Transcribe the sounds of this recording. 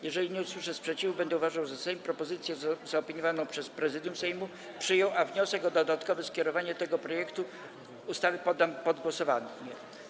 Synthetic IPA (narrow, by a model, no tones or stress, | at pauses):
jɛʐɛlʲiɲɛuswɘʂɛspʂɛt͡ɕivubɛnd̪ɛuvaʐawzasɛjmpɾɔpɔzɘt̪sʲjɛzaɔpʲiɲɔvanɔ̃w̃pʂɛspɾɛzɘd̪jumsɛjmu | pʂɘjɔ̃w̃ʔavɲɔsɛkɔd̪ɔd̪at̪kɔvɛskʲɛɾɔvaɲɛt̪ɛɡɔpɾɔjɛkt̪u | ust̪avɘpɔd̪ːampɔd̪ɡwɔsɔvanɲɛ